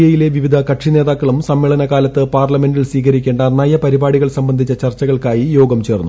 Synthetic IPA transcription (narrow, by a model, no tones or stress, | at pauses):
jɐjile̞ʋiʋid̪ʱɐkɐʈʂine̞ːðaːkːɐɭumsɐmːeːɭɐnɐkaːlɐt̪ːɨpaːrlɐme̞ndilsʋiːkɐɾikʲːeːɳɖɐɐnaːjɐpɐɾibaːɽiɣɐɭsɐmbɐnd̪ʱit͡ɕːɐt͡ɕɐrt͡ɕːɐɣɐɭkaːjijo̞ːɡɐmt͡ɕe̞ːrnːu